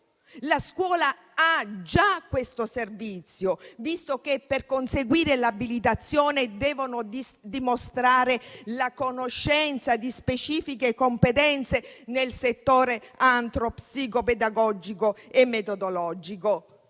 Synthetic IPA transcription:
laskwɔːla | ad͡ʒakːwest̪oservit̪sːjovist̪ok̟epːerkonseɡwiːɾelabilit̪at̪sːjoːned̪ɛːvonod̪imost̪ɾaːɾelakonoʃːɛnt̪sad̪ispet͡ʃiːfikekompet̪ɛnt̪senelset̪ːoːɾeant̪ɾopsikoped̪aɡɔd͡ʒikoemːet̪od̪olɔd͡ʒiko

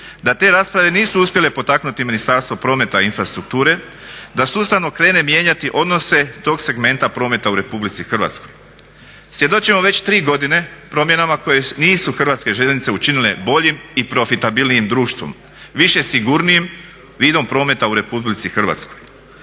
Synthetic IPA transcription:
d̪at̪e̞ːɾaːspɾaʋe̞niːsuuspje̞le̞po̞t̪aknut̪iminist̪aːɾst̪ʋo̞pɾo̞ːme̞t̪ainfɾast̪ɾuk̚t̪uːɾe̞ | d̪asust̪aʋno̞kɾe̞ːne̞mje̞ːɲat̪iʔo̞d̪no̞se̞t̪o̞ːɡse̞ɡme̞nt̪apɾo̞ːme̞t̪auɾe̞publit̪sixrʋa̰t̪sko̞j | sʋje̞d̪o̞t͡ʃimoʋe̞t͡ɕt̪ɾiːɡo̞d̪ine̞pɾo̞mje̞namako̞je̞niːsuxr̩ʋat̪ske̞ʒelnit̪se̞ut͡ʃinile̞bo̞ʎimipɾo̞fit̪abilnijimd̪ɾuːʃt̪ʋo̰m | ʋiʃe̞siɡuɾnijim | ʋiːd̪o̞mpɾo̞ːme̞t̪auɾe̞publit̪sixr̩ʋa̰t̪sko̞j

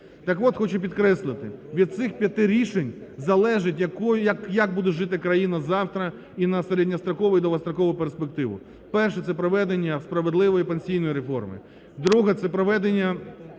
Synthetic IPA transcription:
t̪ɑkʋɔt̪xɔt͡ʃʊpʲid̪kɾɛslˠɪt̪ɪʋʲid̪̚t̪sɪxpʲjɐt̪ɪɾʲiʃenʲzɐlˠɛʒɪtʲjɐkɔjʊjɐkjɐk̚bud̪ɛʒɪt̪ɪkɾɐjinɐzɑwt̪ɾɐ | inɐseɾedʲnʲɐst̪ɾɐkɔʋʊjid̪ɔʋɐst̪ɾɐkɔʋʊperspek̚t̪ɪʋʊ̰ | pɛrʃɛt̪sɛpɾɔʋɛd̪enʲːɐspɾɐʋed̪lˠɪʋɔjipenʲsʲijnɔjiɾefɔ̰rmɪ̰ | d̪ɾuɦɛt̪sɛpɾɔʋɛd̪enʲːɐ

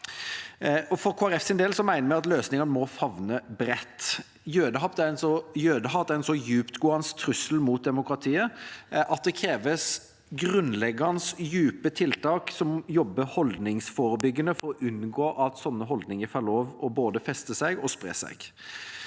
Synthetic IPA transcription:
ɔfɔɾkʰoːæɾɛfsɪnd̪eːlsɔmæɪnəmæɪɑt̪løːsnɪŋənəmɔfɑʋnəbɾɛt̪ː | jøːd̪əɦɑp̚d̪æɾɛnsɔjøːd̪əɦɑd̪ɛɛnsɔjʉːpt̪ɡʊːɑnst̪ʰɾʉsəlmuːt̪̚d̪ɛmʊkɾɑt̪ʰiːəʔɑt̪̚d̪ɛkʰɾeːʋəs | ɡɾʉnlɛɡənəsjʉːpət̪ʰɪlt̪ʰɑːksɔmjɔbːəhɔld̪nɪŋsfoːɾəbʏɡːənəfɔɾɔʔʉnɡoːʔɑt̪sɔnːəɦɔld̪nɪŋəfɑloːʋɔboːd̪əfɛst̪əsæɪɡɔspɾḛːsæ̰ɪɡ̥

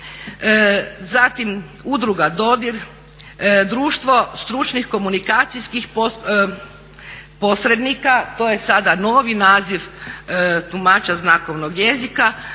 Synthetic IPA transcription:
zat̪im | ud̪ɾuɡad̪o̞d̪iɾ | d̪ɾuːʃt̪ʋo̞st̪ɾut͡ʃnixko̞munikaːt̪sijskixpo | po̞sɾe̞d̪nikat̪oːje̞sad̪ano̞ːʋinaːziʋ | t̪umat͡ʃaznako̞ʋno̞ɡje̞zika

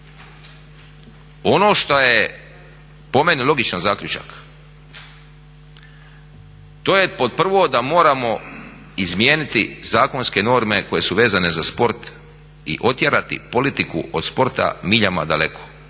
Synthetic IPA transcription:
o̞no̞ːʃt̪oje | po̞me̞nilˠo̞ɡit͡ʃanzaːkʎʲut͡ʃa̰k | t̪o̞ːjepo̞d̪̚pr̩ʋo̞d̪amo̞ːɾamo̞ | izmjeːnit̪izaːko̞nske̞no̞ːɾme̞ko̞je̞suʋe̞ːzane̞zaspo̞ɾt̪ | ḭʔo̞t̪jeɾat̪ḭpo̞lit̪ikṵo̰d̪spo̞ɾt̪a̰miʎama̰d̪ale̞kʰo̥

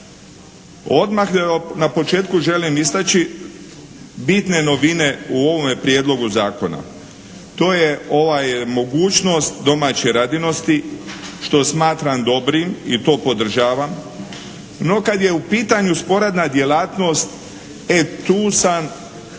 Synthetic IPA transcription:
o̞d̪maxnapo̞t͡ʃe̞ːt̪kuʒe̞limist̪at͡ʃi | bit̪ne̞no̞ʋine̞uo̞ʋo̞mepɾje̞d̪lo̞ɡuzaːko̞na̰ | t̪o̞ːjeo̞ʋajmo̞ɡuːt͡ʃno̞st̪d̪o̞mat͡ɕeɾad̪ino̞st̪iʃt̪o̞smaːt̪ɾamd̪o̞bɾimit̪o̞ːpo̞d̪r̩ʒaːʋam | no̞kad̪je̞upiːt̪aɲuspo̞ɾad̪nad̪je̞laːt̪no̞st̪ | et̪uːsan

